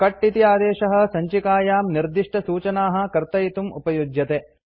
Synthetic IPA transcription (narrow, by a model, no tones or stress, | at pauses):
kɐʈːit̪iaːd̪ɛːʃɐɦɐ̆sɐɲt͡ʃikaːjaːmniɾd̪iʂʈɐsuːt͡ʃɐnaːɦɐ̆kɐɾt̪ɐjit̪umṵpɐjud͡ʒjɐt̪eː